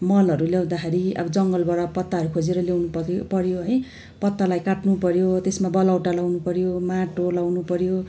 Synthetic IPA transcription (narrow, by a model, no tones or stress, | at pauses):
mʌlʌɾuljaw̃d̪akʰeɾiʌ̰bʌd͡zʌŋɡʌlbaɽʌpʌt̪ːaɦʌɾukʰod͡zeɾʌljewnuppʌɾjoɦʌj | pʌt̪ːalajkaʈnupʌɾjot̪esmabʌlawʈalawnupʌɾjomaʈolawnupʌɾjo